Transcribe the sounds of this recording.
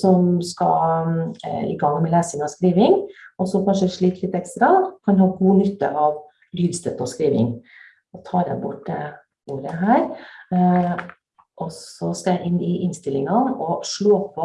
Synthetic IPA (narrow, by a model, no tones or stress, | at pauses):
sɔmskɑ̰ | ɪ̰ɡɑŋːmɛlæːsɪŋɑskɾiːʋɪŋɔsɔkʰɑnʂəæʂɭiːt̪ʰlɪt̪ɛkst̪ɾɑkʰɑnhɑːɡuːnʏt̪ːə̰ʔɑʋ | lyːd̪st̪ɛt̪ːɔskɾiːʋɪ̰ŋ | ɔt̪ʰɑːɾɛ̰ɪbʊʈːə | uːɾəɦæːɾ | ʔɔsɔskɑjæɪʔɪnːɪʔɪnst̪ɪlɪŋɑɔʂɭoːpʰɔ